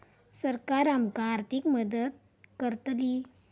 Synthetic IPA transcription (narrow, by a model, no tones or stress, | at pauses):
səɾkaɾamkaɾt̪ikməd̪əd̪̚ | kəɾt̪li